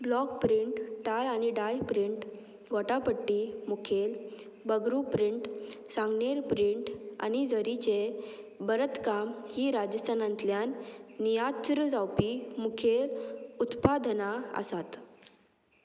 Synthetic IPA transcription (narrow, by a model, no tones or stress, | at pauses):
blɔk̚pɾiɳʈʈajañiɖajpɾiɳʈ | ɡʱɔʈapəʈːimukʰel | bəɡɾupɾiɳʈsãŋɡneɾpɾiɳʈa̰nid͡zəɾit͡ɕe | bəɾət̪kamhiɾad͡ʑəst̪ʰanãnt̪ljanːijat̪ɾəd͡zawpimukʰeɾut̪pad̪ʱnaə̰sat̪